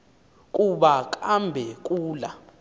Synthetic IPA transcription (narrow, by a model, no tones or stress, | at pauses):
kʼuɓak̬ʰʼambʱɛk̬ʼuːla